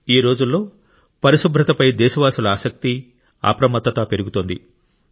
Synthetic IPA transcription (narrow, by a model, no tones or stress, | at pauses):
iːɾo̞ːd͡ʒulːo̞ː | pɐɾiʃubʱɾɐt̪ɐpɐjd̪ɛːʃɐʋaːsulɐaːsɐk̚t̪i | a̰ːpɾɐmɐt̪ːɐt̪ɐpe̞ɾuɡut̪ond̪ḭ